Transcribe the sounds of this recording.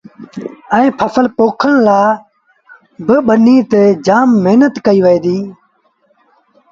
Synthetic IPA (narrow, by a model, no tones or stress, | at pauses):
ɛ̃ːpʰəfʰəlpoːkʰəɳlaː | bɪɓəniːt̪eːd͡ʒaːmːeɦnət̪kəiːʋəẽːd̪iː